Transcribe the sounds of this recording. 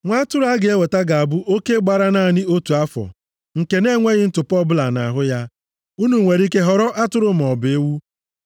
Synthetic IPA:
ŋʷa˦tʊ˦ɾʊ˦a˦ɡe˦we˨ta˦ɡa˨a˨bʊ˦ʔo˦ke˦ɡ͡ba˨ɾa˦na˦˨nɪ˦o˦tu˨a˦fɔ̰˨ | ŋ̩˨ke˨ne˦ŋʷe˦ɣɪ˦n̩˦tʊ˨pɔ˦bʊ˦la˨na̰˨ɦʊ˦ja˦ | u˦nu˨ŋʷe˨ɾi˦ke˦ɦɔ˨ɾɔ˦ʔa˦tʊ˦ɾʊ˦m̩˨ɔ˨be˦wu˦

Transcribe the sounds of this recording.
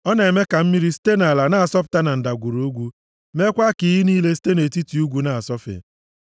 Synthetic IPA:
ɔ˦na˨e˨me˦ka˨m̩˦mi˦ɾi˦si̥˦te˦na˨la˨na˦a˨sɔ˦p̬ʊ̥˨ta˦na˨n̩˨da˨ɡʷu˨ɾo˨u˦ɡʷu˦ | me˦kʷa˦ki˨˦ɦi˦niː˦le˦si̥˦te˦ne˨ti˦ti˨u˦ɡʷu˦na˨a˨sɔ˦fḛ˨

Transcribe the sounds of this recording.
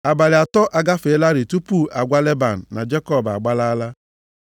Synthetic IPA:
a˨ba˨lɪ˨a˨tɔ˦ʔa˨ɡa˦fe˨˦la˦ɾi˨tu˦pu˦˨ʔa˨ɡʷa˦le˦ba˨n̩˨na̰˨d͡ʒe˦kɔ˦˨ba̰˨ɡ͡ba˦la˦la˦

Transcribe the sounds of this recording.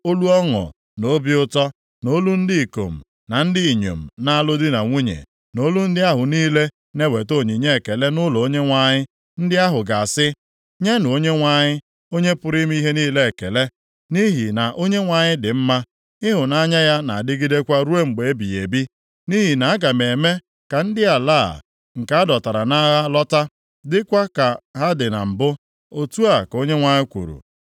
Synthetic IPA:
o˦lu˦ɔ˦ŋɔ̰˨ | no˦bi˦ʊ˦tɔ˦ | no˦lu˦n̩˦dɪ˦i˨ko̰˨m̩˨ | na˨n̩˦dɪ˦i˨ɲo̰˨m̩˨na˦a˦lʊ˦dɪ˦na˨ŋʷu˦ɲḛ˨ | no˦lu˦n̩˦dɪ˦a˦ɦʊ˨niː˦le˦ | ne˦we˨to˦˨ɲi˨ɲe˦e˨ke˨le˦nʊ˦lɔ˨o˦ɲe˦ŋʷa˨ɲɪ˦ | n̩˦dɪ˦a˦ɦʊ˨ɡa˨a˨sɪ˦ | ɲe˦nʊ˨o˦ɲe˦ŋʷa˨ɲɪ˦ | o˦ɲe˦pʊ˦ɾi˦m˦i˦ɦe˦niː˦le˦e˨ke˨le˦ | ni˦ɦi˨na˨ʔo˦ɲe˦ŋʷa˨ɲɪ˦dɪ˨m̩˦ma˦ | ɪ˦ɦʊ˨na˦ɲa˦ja˦na̰˨a˨dɪ˦ɡi˦de˦kʷa˦ɾu˦e˦ŋ͡m̩˨ɡ͡be˨e˦bi˨e˨bi˦ | ni˦ɦi˨na˨a˦ɡa˨me˨me˦ | ka˨n̩˦dɪ˦a˨la̰ː˦˨ | ŋ̩˨ka˦a˦dɔ˨ta˨ɾa˨na˦ɣa˦lɔ˦ta˦ | dɪ˦kʷa˦ka˨ɦa˦dɪ˨na̰˨m̩˨bʊ˦ | o˨tu˦a˨ko˦ɲe˦ŋʷa˨ɲɪ˦kʷṵ˨ɾṵ˨

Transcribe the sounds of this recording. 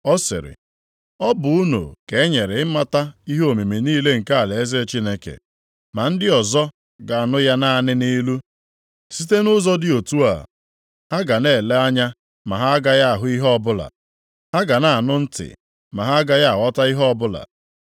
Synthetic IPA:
ɔ˦sɪ̰˨ɾɪ̰˨ | ɔ˦bʊ˨u˦no̰˨ke˨e˦ɲe˨ɾe˨ɪ˦ma˦ta˦i˦ɦo˨me˨me˨niː˦le˦ŋ̩˨ka˦a˨le˨e˦ze˦t͡ʃi˦ne˦kḛ˨ | ma˨n̩˦dɪ˦ɔ˨zɔ˦ | ɡa˨a˨nʊ˦ja˦na˦˨nɪ˦ni˦lu˦ | si˦te˦nʊ˦zɔ˦dɪ˦o˨tu˦a̰˨ | ha˦ɡa˨ne˨le˦a˦ɲa˦ | ma˨ɦa˦a˦ɡa˦ja˦a˨ɦʊ˦i˦ɦɔ˦bʊ˦la̰˨ | ha˦ɡa˨na˨a˨nʊ˦n̩˦tɪ̰˨ | ma˨ɦa˦a˦ɡa˦ja˦a˨wɔ˦ta˦i˦ɦɔ˦bʊ˦la̰˨

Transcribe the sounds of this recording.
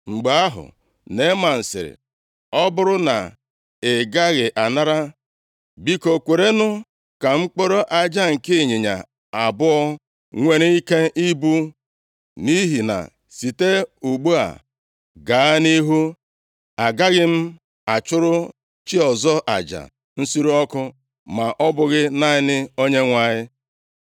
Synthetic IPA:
ŋ͡m̩˨ɡ͡ba˨a˦ɦʊ̰˨ | ne˨˦ma˨n̩˨sɪ̰˨ɾɪ̰˨ | ɔ˦bʊ˦ɾʊ˦na̰˨ | e˨ɡa˦ɣɪ˨ʔa˨na˦ɾa˦ | bi˦ko˨kʷe˨ɾe˦nʊ˦ | ka˨ŋ͡m̩˦k͡po˦ɾo˦ʔa˦d͡ʒa˦ŋ̩˨kɪ˦˨ɲe˨ɲa̰˨ | a˨bʊ˦ɔ˦ | ŋʷe˨ɾe˦i˦ke˦i˦bu˦ | ni˦ɦi˨na̰˨ | si˨te˦u˨ɡ͡bu˦a̰˨ | ɡaː˨a˦ni˦ɦu˦ | a˨ɡa˦ɣɪ˦m̩˦ | a˨t͡ʃʊ˦ɾʊ˦ | t͡ʃi˦ɔ˨zɔ˦ʔa̰˨d͡ʒa̰˨ | n̩˦si˦ɾu˦ɔ˦kʊ˦ | ma˨ʔɔ˦bʊ˨ɣɪ˦na˦ɪ˦nɪ˦o˦ɲe˦ŋʷa˦˨ɲɪ˦

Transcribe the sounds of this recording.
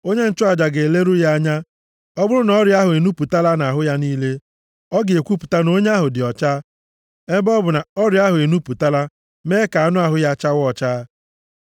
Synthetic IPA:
o˦ɲe˦n̩˨t͡ʃʊ˦a˨d͡ʒa˨ɡe˨le˦ɾu˦ja˦ɲa˦ | ɔ˦bʊ˦ɾʊ˦nɔ˦ɾja˦ɦʊ˨e˨nu˦pu˨ta˦la˦na˨ɦʊ˦ja˦niː˦le˦ | ɔ˦ɡe˨kʷu˦pu̥˨ta˦no˦ɲe˦a˦ɦʊ˨dɪ˨ɔ˨t͡ʃa˦ | e˦bɔ˦bʊ˨na˨ɔ˦ɾja˦ɦʊ˨e˨nu˦pu˨ta˦la˦ | meː˦ka˨a˨nʊ˦a˨ɦʊ˦ja˦t͡ʃa˦wɔ˦t͡ʃaː˦

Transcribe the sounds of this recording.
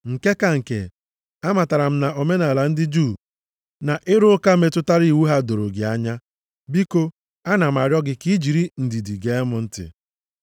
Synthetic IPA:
ŋ̩˨ke˦ka˨ŋ̩˨kḛ˨ | a˦ma˨ta˨ɾa˨m̩˦na˨o˨me˦na˨la˨n̩˦dɪ˦d͡ʒu˦˨ | na˨ʔɪ˦ɾʊ˦ka˦me˨tʊ˦ta˦ɾi˦˨wu˦ɦa˦do˨ɾo˨ɡɪ˨a˦ɲa˦ | bi˦ko˦ | a˦na˨m̩˨a˨ɾjɔ˦ɡɪ˦ki˦d͡ʒi˨ɾi˦n̩˨di˨di˨ɡe˦mʊ˦n̩˦tɪ̰˨

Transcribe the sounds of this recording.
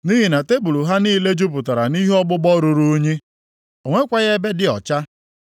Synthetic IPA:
ni˦ɦi˨na˨te˦bu˨lu˨ɦa˦niː˦le˦d͡ʒu˦p̬ʊ˨ta˨ɾa˨ni˦ɦɔ˦ɡ͡bʊ˦ɡ͡bɔ˦ɾu˨ɾu˦o˦ɲe˦ | o˨ŋʷe˦kʷa˦ɣe˦be˦dɪ˦ɔ̰˨t͡ʃa˦

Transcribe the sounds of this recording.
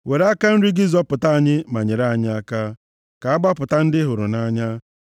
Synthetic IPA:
we˨ɾa˦ka˦n̩˦ɾi˦ɡɪ˦zɔ˦pʊ˨ta˦a˨ɲɪ˦ma˨ɲe˨ɾa˨ɲɪ˦a˦ka˦ | ka˨a˦ɡ͡ba˦pʊ˨ta˦n̩˦dɪ˦ɦʊ˨ɾʊ̰˨na˦ɲa˦

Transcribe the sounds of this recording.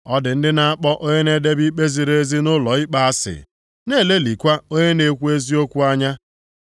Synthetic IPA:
ɔ˦dɪ˨n̩˦dɪ˦na˨a˦k͡pɔ˦ʔo˦ɲe˦ne˦de˦bi˦k͡pe˦zi˨ɾe˦zi˦nʊ˦lɔ˨i˦k͡pa˨a˦sɪ̰˨ | ne˦˨le˦li˨kʷa˦o˦ɲe˦ne˨kʷu˦e˦zi˦o˦kʷu˦a˦ɲa˦

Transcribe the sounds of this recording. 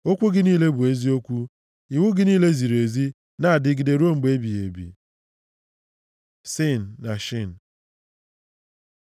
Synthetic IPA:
o˦kʷu˦ɡɪ˨ni˦le˦bu˨e˦zi˦o˦kʷu˦ | i˨wu˦ɡɪ˨niː˦le˦zi˨ɾe˨zi˦ | na˦a˨dɪ˦ɡɪ˨de˨ɾu˦o˦ŋ͡m̩˨ɡ͡be˦bi˨jḛ˨bḭ˨ | si˦˨n̩ː˨a˨ʃi˦˨n̩˨

